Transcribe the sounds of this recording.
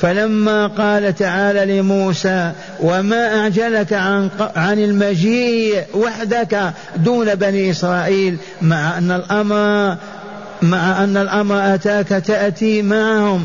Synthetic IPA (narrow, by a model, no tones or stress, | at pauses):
falamːaqɑːlat̪aʕaːlalɪmuːsaː | wamaʔaʕd͡ʒalakaʕanqʕanɪlmad͡ʒiːwaħd̪aka | d̪uːnabaniːʔɪsɾˤɑːʔiːl | maʕaʔanːalʔɑmɾ | maʕaʔanːalʔɑmɾˤʔat̪aːkat̪aʔt̪iːmaʕahʊm